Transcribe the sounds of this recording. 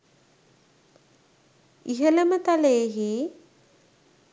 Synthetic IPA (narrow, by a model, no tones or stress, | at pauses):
iɦələmət̪aleːɦi